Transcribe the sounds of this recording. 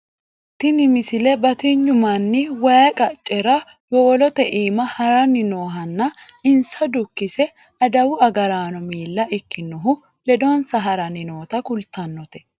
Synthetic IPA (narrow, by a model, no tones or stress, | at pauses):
t̪ːɪnɪmɪsɪlɛbɐt̪iɲːʊmɐnːɪwɐjɐkʼɐt͡ʃʼːɛɾɐ | wɔɔlɔt̪ɛʔiːmɐhɐɾɐnːɪno̞ːɦɐnːɐ | ɪnsɐd̪ʊkːɪsɛ | ɐd̪ɐwʊɐɡɐɾaːnɔmiːlːɐʔɪkːɪnːɔɦʊ | lɛd̪onsɐɦɐɾɐnɪnoːt̪ɐkʊlt̪ːɐnːɔt̪ɛ̥